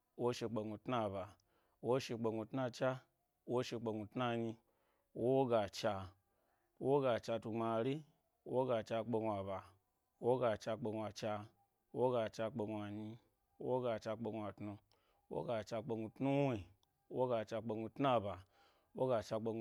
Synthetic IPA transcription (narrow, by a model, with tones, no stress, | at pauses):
wo˦ʃe˧k͡pe˧ɡu˧tna˧ba˨ | wo˦ʃe˧k͡pe˧ɡu˧tna˧t͡ʃa˦ | wo˦ʃe˧k͡pe˧ŋu˧tna˧ɲi˧ | wwo˦ɡa˨t͡ʃa˧ | wo˦ɡa˧t͡ʃa˧tu˧ŋ͡ma˧˨ɾi˦ | wo˦ɡa˧t͡ʃa˧k͡pe˧ɡʷa˨ba˨˦ | wo˦ɡa˧t͡ʃa˧k͡pe˧ɡʷa˨t͡ʃa˧ | wo˦ɡa˧t͡ʃa˧k͡pe˧ɡʷa˨ɲi˧˦ | wo˦ɡa˧t͡ʃa˧k͡pe˧ŋʷ˧a˨tnu˧˦ | wo̰˦ɡa˧t͡ʃa˧k͡pe˧ɡu˧tnu˦wi˦˨˦ | wo˦ɡa˧t͡ʃa˧k͡pe˧ɡu˧tna˦˧ba˨ | wo˦ɡa˧t͡ʃa˧k͡pe˧ŋ˧